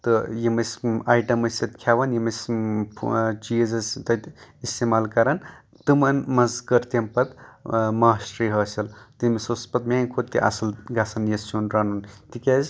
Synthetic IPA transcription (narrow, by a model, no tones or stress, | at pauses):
t̪ɨjimɐsʲaːjʈɐmɐsɐt̪kʰjaʋɐnjimɐsʰ | t͡ʃiɐzɐst̪ɐt̪ist̪emaːlkɐɾɐn | t̪ɨmɐnmɐzkəɾt̪ɐmpɐt̪maːsʈɾiɦɐːsʲɐlt̪imisospɐt̪̚mʲankʰot̪ːiʔɐ̰sɐlɡasɐnjessunɾanunt̪ikʲaz